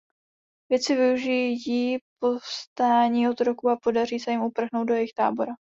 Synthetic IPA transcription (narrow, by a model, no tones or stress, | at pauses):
vjɛt͡sɪvɪuʒijipo̞fst̪aːɲiːot̪ɾo̞kuapo̞dariːsɛjɪmupr̩ɣnowt̪̚do̞jɛjɪxt̪a̰ːbo̞ɾa